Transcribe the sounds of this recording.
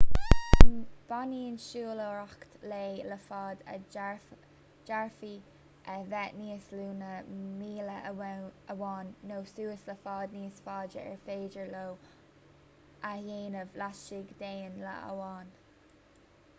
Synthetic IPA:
nb̥aniːənʃuːloɹakt̪leːləfɑːd̪ə | d͡ʒaɹfi | ʔəvɛt̪niːəsluːnəmiːlə | əwɑːnːoːsuːəsləfɑːd̪̚niːsfɑːd͡ʒəɛ̰ɹfeːd͡ʒəɹlow | ʔajeːnəvlaʃɪɡd̪eːnlə̰ə̰wɑːn

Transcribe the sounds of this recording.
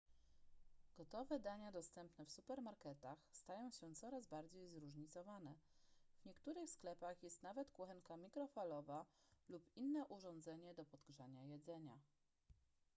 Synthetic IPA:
ɡ̥ɔt̪ɔvɛd̪aɲad̪ɔst̪ɛmpnɛfsupɛɾmaɾkɛt̪axst̪ajɔ̃w̃ɕɛt̪sɔɾazbaɾd͡ʑejzɾuʐɲit̪sɔvanɛvɲɛkt̪uɾɘxsklɛpaxjɛst̪navɛt̪kwuxɛŋkamʲikɾɔfalɔva | lupinːɛʔuʐɔ̃nd̪zɛɲɛd̪ɔpɔd̪ɡʐaɲajɛd̪zɛɲa

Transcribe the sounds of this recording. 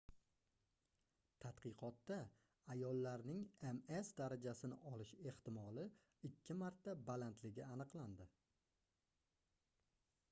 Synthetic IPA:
t̪ʰat̪qɨqʰɒt̪ːa | ajɒlˠːaɾnɪŋe̞me̞sd̪aɾad͡ʒasɪnɪ̰ʔɒlɪʃe̞ht̪ɪmɒlɪ | ɪkʲʰːɪmaɾt̪ːabalant̪ʰlɪɡʲɪanɨqlˠand̪ɪ

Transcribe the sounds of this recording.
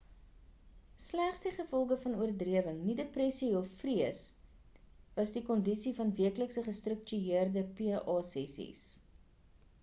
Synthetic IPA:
slæχsdiχəfɔlˠɣəfɐnuərdriəvəŋnideprɛsiɔfːriəs | vɐsdikɔndisifɐnviəkləksəχəstrək̚t͡ʃyiərdəpiʔɑːsɛsḭs

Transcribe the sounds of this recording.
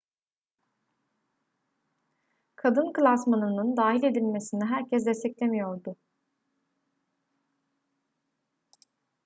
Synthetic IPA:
kʰad̪ɯnkɯlʲˠasmanɯnɯnd̪aːɦilʲe̞d̪ilʲme̞siniɦæɾcʰɛsd̪ɛst̪ʰɛclʲemijo̞ɾd̪ʊ

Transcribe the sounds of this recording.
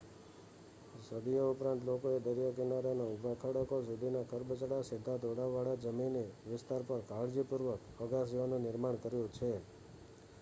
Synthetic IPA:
səd̪ijoupɾãnt̪lokoed̪əɾijakinaɾanaubʱakʰəɽəkos̬ud̪ʱinakʰəɾbət͡ʃəɽased̪ʱad̪oɽaʋaɽad͡ʒəminiʋɪst̪aɾpəɾkaɽd͡ʒipuɾʋək | əɡas̬iʋanũnɪɾmaɳkəɾjũt͡ʃʰe

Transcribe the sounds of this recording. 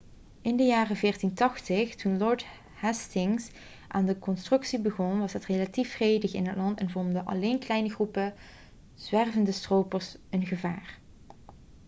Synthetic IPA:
ɪndəjaːrəvɪːrtintɑxtəxtunlɔɹt | hɛstɪŋs | ʔaːndəkɔnstrɵksibəɣɔnʋɑsɛtrelatifrejdəxɪnɦətlɑntɛnvɔmdəʔɑ̰leːnklɛjnəɣrupə | z̥ʋɛrvəndəstrowpərsənɣəvaːr

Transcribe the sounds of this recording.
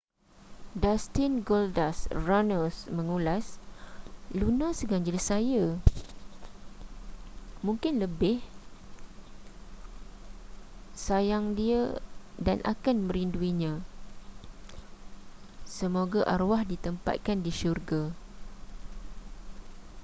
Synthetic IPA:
dast̪ɪnɡɔldasranəsmə̃ŋulas | lunãsəɡaɲd͡ʒɪlsaja | mũŋkɪnləbɪh | sajaŋdiada̰nʔa̰kanmə̃ɾinduiɲã | səmoɡaʔarwahdit̪əmpa̰t̪̚kandiʃurɡa

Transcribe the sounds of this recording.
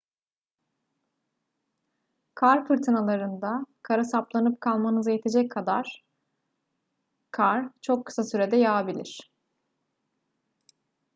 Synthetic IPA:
kʰaɾfɯɾt̪ʰɯnalˠaɾɯnd̪akʰaɾasaplˠanɯp̚kʰalˠmanɯzajɛt̪ʰe̞d͡ʒɛc̚kʰːad̪aɾ̥ | kʰaɾt͡ʃʰo̞kʰːɯ̥sasyɾe̞d̪ɛjaːbilʲḭɾ̝̥

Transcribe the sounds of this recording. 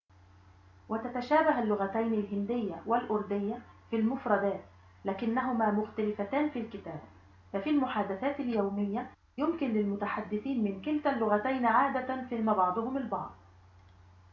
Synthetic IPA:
wat̪at̪aʃaːbaɦalːʊɣat̪ajnɪlɦɪnd̪ɪjːawalʔʊɾˤd̪ɪjːa | filmʊfɾˤɑd̪aːt̪ | laːkɪnːaɦʊmaːmʊxt̪alɪfat̪aːnfiːlkɪt̪æːb | fafilmʊħaːd̪aθaːt̪ɪljawmɪjːa | jʊmkɪnlɪlmʊt̪aħad̪ːɪθiːnmɪnkɪlt̪alːʊɣat̪ajnʕaːd̪afihmaːbɑʕd̪ˤʊhʊmalbɑ̰ʕd̪ˤ

